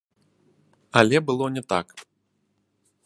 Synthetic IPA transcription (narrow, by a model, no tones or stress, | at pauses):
ɐlʲɛbɨlˠɔnʲɛt̪a̰k